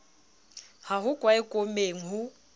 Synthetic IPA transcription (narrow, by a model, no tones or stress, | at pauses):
haɦʊkʼwaɪkʼomeːŋ̩ɦʊ